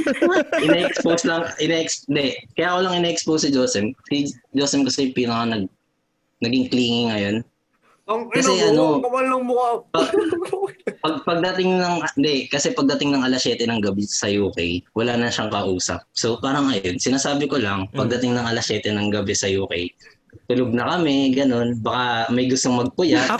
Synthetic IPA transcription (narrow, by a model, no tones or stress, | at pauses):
ʔɪnɛʔɛksposlɐŋʔɪnɛʔɛksnd̪ɛkɐjaːkolɐŋɪnɛːʔɛkspowsɪd͡ʒoːsɛmsid͡ʒoːsɛmkɐsɛpiːnɐkɐnɐɡ̚ | nɐɡɪŋkliːŋɪŋɐjo̞n | ɐkɐsɛʔɐnokɐmɐlɐŋmʊkapɐɡ̚ | pɐɡ̚pɐɡ̚d̪ɐt̪ɪŋnɐŋnd̪ɛkɐsɛpɐɡ̚d̪ɐt̪ɪŋnɐŋʔɐlɐsɛːt̪ɛnɐŋɡɐbɛsɐjuːkɛjwɐlaːnɐʃaŋkɐʔuːsɐ̰p̚sopaːɾɐŋɐjonsɪnaːsaːbɪko̞lɐŋpɐɡ̚d̪ɐt̪ɪŋnɐŋʔɐlɐsjɛːt̪ɛnɐŋɡɐbɛsɐjuːkɛj | t̪ʊloɡ̚nɐkɐmɛɡɐno̞nbɐkamɐjɡʊst̪oŋmɐɡ̚pʊjaʔ